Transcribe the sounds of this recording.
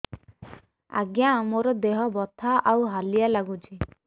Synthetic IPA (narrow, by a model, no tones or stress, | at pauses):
a̰ɡjãmoɾɔd̪eɦɔbɔt̪ʰaʔawɦalijalaɡut͡ʃʰi